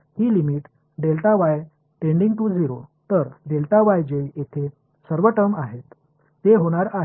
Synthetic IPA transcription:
hiːlimiʈ | ɖelt̪aʋaj | ʈẽɳɖiŋɡʈud͡ziɾot̪əɾɖelt̪aʋajd͡ʑeiet̪ʰe | səɾʋəʈəmaɦet̪ː | eɦoɽ̃aɾaɦ

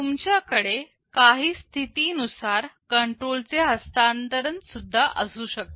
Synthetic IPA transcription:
t̪umt͡ɕjakəɽe | kaɦiːst̪ʰit̪iːnusaɾkəɳʈɾolt͡seɦəst̪ant̪əɾənsud̪ʱːaʔəsuːɕək̚t̪o

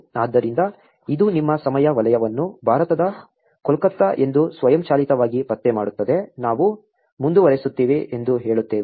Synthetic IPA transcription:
aːd̪ːɐɾind̪ɐ | id̪unimːɐsɐmɐjɐʋɐlɐjɐʋɐnːubʱaːɾɐt̪ɐd̪ɐ | kɔlkɐt̪ːɐʔe̞nd̪usʋɐjɐmt͡ʃaːlit̪ɐʋaːɡibɐt̪ːemaːɽut̪ːɐd̪e̞naːʋu | mund̪uʋɐɾesut̪ːiːʋiʔend̪uɦe̞ːɭut̪ːeːʋi

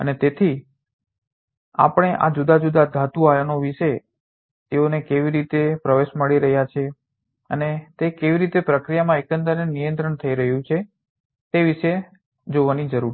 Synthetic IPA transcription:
ə̰net̪et̪ʰi | a̰pəɽ̃eʔa̰d͡ʒud̪ad͡ʒud̪ad̪ʱat̪uajanoʋiʃe | t̪eonekeʋiɾit̪epɾəʋeʃməɭiɾəɦjat͡ʃʰe | ə̰net̪ekeʋiɾit̪epɾəkɾijamãekənd̪əɾnenijə̃nt̪ɾəɳt̪ʰəiɾəɦjũt͡ʃʰe | t̪eʋiʃe | d͡ʒoʋanid͡ʒəɾuɾ

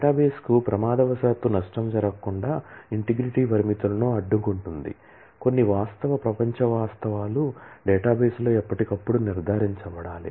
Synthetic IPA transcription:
ʈaːbeːskupɾɐmaːd̪ɐʋɐsaːt̪ːunɐʂʈɐmd͡ʒɐɾɐkuɳɖaːiɳʈiɡɾiʈiːpɐɾimit̪ulɐnoːɐɖːukuɳʈund̪ḭ | ko̞nːiʋaːst̪ɐʋɐpɾɐpɐɲt͡ʃɐʋaːst̪ɐʋaːluɖɛːʈaːbeːslo̞ːipːɐʈikɐpːuɽuniɾd̪ʱaːɾiɲt͡ʃɐʋɐɽaːlḭ

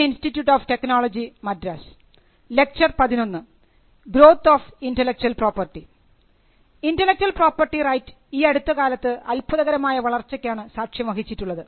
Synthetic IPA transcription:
institːjuːʈːoːfʈe̞knoːɭɐd͡ʑimɐdɾɐs | le̞k̚t͡ɕɐrpɐðino̞nːɨ | bɾo̞ːt̪ːoːfindelek̚t͡ɕuɐlproːpɐrʈːi | indɐlːek̚t͡ɕuɐlpro̞ːpɐrʈːirɐjtːɨ̥ | iːɐɽut̪ːɐkaːlɐt̪ːɨʔɐlpuðɐɣɐɾɐmaːjɐʋɐɭɐrt͡ɕːɐkʲːaːɳɨsaːkʂjɐmɐɦit͡ɕːiʈːuɭːɐðɨ

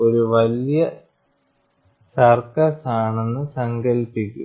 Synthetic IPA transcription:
o̞ɾuʋɐljɐ | sɐrkɐsaːɳe̞nːɨsɐŋkɐlpːikʲːṵ

